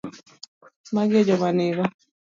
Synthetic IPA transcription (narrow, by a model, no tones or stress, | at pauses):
maɡɛd͡ʒɔmaneβa